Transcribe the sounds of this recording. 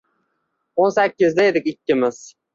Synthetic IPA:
onsækʲːɪzd̪aed̪ɪkʲɪkʲʰːɪmɪz̥

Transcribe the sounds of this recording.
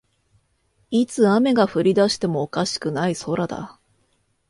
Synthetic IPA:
it͡sɨame̞ɡaɸɯ̟ɾʲid̪aɕi̥t̪e̞mo̞ːkaɕi̥kɯ̟naiso̞ɾad̪a̰

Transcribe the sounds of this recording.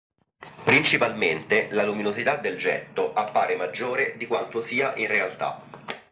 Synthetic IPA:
pɾint͡ʃipalment̪elaluminozit̪ad̪ːeld͡ʒɛ̰t̪ːoʔapːaːɾemad͡ʒːoːɾed̪ikwant̪osiːaʔinrealt̪a̰

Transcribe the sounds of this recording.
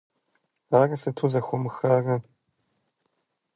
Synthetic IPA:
aːrɐsɨtʰuzɐxʷʊmɨxarɐ

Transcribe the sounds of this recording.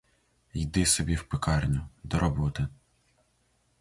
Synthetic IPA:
jd̪ɪsɔbʲiwpɪkɑrnʲʊd̪ɔɾɔbɔt̪ɪ

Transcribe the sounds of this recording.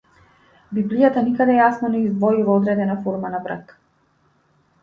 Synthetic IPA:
biblijat̪anikad̪ɛjasnɔnɛizd̪vɔjuvaɔd̪ɾɛd̪ɛnafɔɾmanabɾa̰t̪

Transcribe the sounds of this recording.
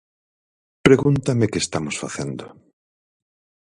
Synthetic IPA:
pɾeɣunt̪amekeːst̪amosfaθend̪o

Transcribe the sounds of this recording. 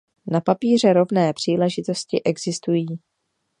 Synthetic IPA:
napapiːr̝ɛɾo̞vnɛːpr̝̥iːlɛʒɪt̪o̞scɪʔɛɡzɪst̪ujiː

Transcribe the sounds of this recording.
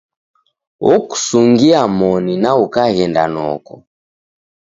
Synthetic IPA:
ɔku̥suŋɡiamɔninaukaɣɛnda̰nɔ̰kɔ

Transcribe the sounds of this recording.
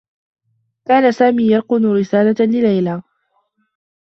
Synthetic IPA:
kaːnasaːmiːjɑɾˤqʊnʊɾɪsaːlalɪlajlaː

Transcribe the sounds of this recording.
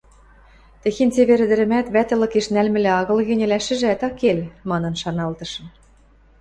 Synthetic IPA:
t̪ɘ̆xent͡seβeɾɘ̆d̪ɘ̆ɾɘ̆mæt̪βæt̪ɘ̆lɤ̆keʃnælmɘ̆lĕɑɣɤ̆lɣɘ̆nʲɘ̆læʃɘ̆ʒ̆æt̪ɑkelmɑnɤ̆nʃɑnɑlt̪ɤ̆ʃɤ̆m

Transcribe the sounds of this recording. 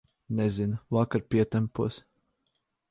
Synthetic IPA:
nɛzinvakaɾpʲiɛt̪ɛmpuɔs

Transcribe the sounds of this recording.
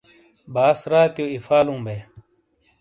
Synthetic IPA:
baːsɾaːt̪joːifaːlũːbeː

